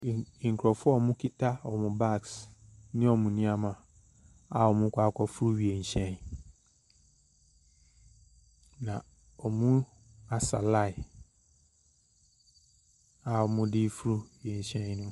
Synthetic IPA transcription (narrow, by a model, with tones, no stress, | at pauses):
ŋ̩˨kʰɾɔ˨fʊ˦ɔ˦˨mʊ̃˦kʰi˦tʰa˦ɔ˨mʊ̃˨ba˦˨ksnɪ̃˦ɔ˨mũ˨nĩ˦a˦mã˨ | a˨ɔ˨mʊ̃˦kʰʷa˦kʷʰɔ˦fu˦ɾu˦ɥi˨e˨ɕɛ̃˦n | nã˨ | ɔ˨mũ˦ | a˨sa̰˨la˦˨ɪ˨ | a˨ɔ˨mʊ̃˦dɪ˦fu˦ɾu˦ɥi˨e˨ɕɛ̃˦n˦nʊ̃˦